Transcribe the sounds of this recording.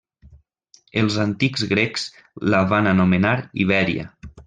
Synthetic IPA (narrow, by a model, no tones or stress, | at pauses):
əlˠzant̪ikzɣɾekz̥ | laβananumenaɾḭβ̞ɛɾiə̰